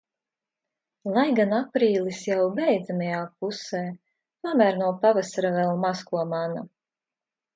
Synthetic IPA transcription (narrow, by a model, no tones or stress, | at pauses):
lˠajɡanapɾiːlˠisjawbɛjd̪zamajaːpuseː | pamʲæːɾnuɔpavasaɾavɛlˠmaskuɔmana